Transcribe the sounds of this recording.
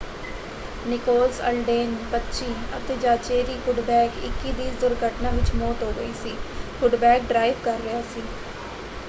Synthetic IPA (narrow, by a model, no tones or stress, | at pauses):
nɪkoːlzə̰lɖeːnpətːʃʰiːə̰t̪eːd͡ʒaːt͡ʃeːɾiːfʰʊɖbɛːkɪ̰kːiːd̪iːzd̪ʊɾɡʱəʈnãːʋɪt͡ʃmoːt̪ɦoːɡəiːsiːfʰʊɖbɛːk̚ɖɾaːiʋkəɾːəaːsiː